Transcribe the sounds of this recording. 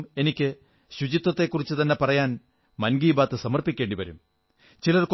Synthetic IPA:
me̞nikʲːɨ | ɕud͡ʑit̪ːɐt̪ːe̞kːurit͡ɕːɨt̪ɐnːe̞pɐrɐjaːn | mɐnɡiːbaːt̪ːɨsɐmɐrpikʲːe̞ːɳɖiʋɐɾṵm | t͡ɕilɐrk

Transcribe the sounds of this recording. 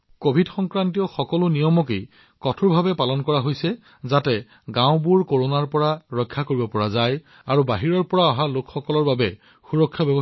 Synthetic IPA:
kobʱidxɔŋkɹantijɔxɔkɔlʊnijɔmɔkej | kɔtʰuɹbʱabɛpalɔnkɔɹaɦojsɛ | zatɛ | ɡãʊ̃buɹkoɹonaɹpɔɹaɹɔjkʰːakoɹibɔpɔɹazaj | aɹubaɦiɹɔɹpɔɹaɔɦalokxɔkɔlɔɹbabɛ | xuɹɔkʰːjabɛbɔ

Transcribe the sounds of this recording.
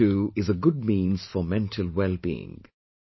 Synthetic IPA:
ʉɪzəɡʊd̚mĩnz̥fəmɛ̃ntʰəl̩ˠwɛlˠbiɪ̰̃ŋ

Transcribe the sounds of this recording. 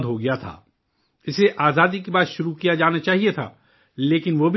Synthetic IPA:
d̪ɦoɡɐjat̪ʰa̰ː | ɪseʔaːzaːd̪ikebaːt̪ʃʊɾukijad͡ʒaːnat͡ʃaːɦiet̪ʰa̰ː | leːkɪnʋoːbʱ

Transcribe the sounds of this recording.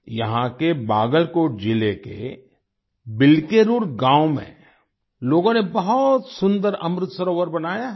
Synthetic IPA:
jɐɦãkebaːɡəlkoːʈ̚d͡ʒilekḛ | bɪlkeɾuːɾɡãːwmḛ̃ | loːɡõnebɐɦʊt̪sʊ̃nd̪əɾɐmɾɪt̪sɐɾoːʋəɾbɐnaːja

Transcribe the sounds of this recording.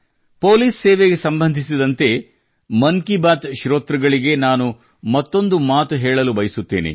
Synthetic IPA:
po̞ːliːsːɛːʋeɡe̞sɐmbɐnd̪ʱisid̪ɐnt̪e̞ | mɐŋkibaːt̪ʃɾoːt̪ɾɐɡɐɭiɡe̞naːnu | mɐt̪ːo̞nd̪umaːt̪uɦeːɭɐlubɐjisut̪ːḛːnḭ

